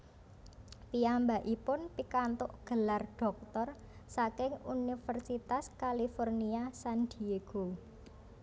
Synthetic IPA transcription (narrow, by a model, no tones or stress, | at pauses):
piambaʔipʊnpikant̪ʊʔɡ̥əlarɖ̥ɔ̤k̚t̪ɔr | sakɪŋunifərsit̪askalifɔrniasand̪ieɡ̥o